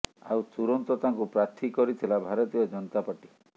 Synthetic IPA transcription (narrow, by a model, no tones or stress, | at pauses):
a̰wt̪uɾɔnt̪ɔt̪aŋkupɾat̪ʰikɔɾit̪ʰilabʱaɾɔt̪ijɔd͡ʒɔnɔt̪apaʈi